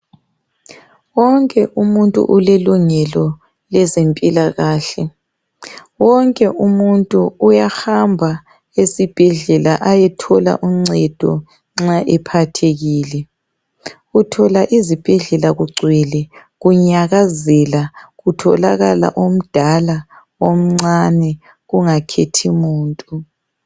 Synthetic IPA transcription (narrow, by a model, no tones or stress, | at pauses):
wɔŋkʼɛʔumuntʼṵʔuleluŋɛlɔ | lɛzempʼilaɣaːɬɛ | wɔŋkʼɛʔumuntʼuːjaxambʱa | esib̥ʱɛɮɛlaʔajɛtʰɔla̰ʔuŋ͡ǀɛd̥ʱɔ | ŋ͡ǁaʔɛpʰatʰeɣiːlɛ | ɣutʰɔlaʔizib̥ʱɛɮɛlaɣuɡ͡ǀʱwɛlɛɣuɲaɣazɛlaɣutʰɔ̰laɣala̰ʔom̩d̥ʱala | wom̩ŋ͡ǀanɛ | ɣuŋakʰetʰimuːntʼu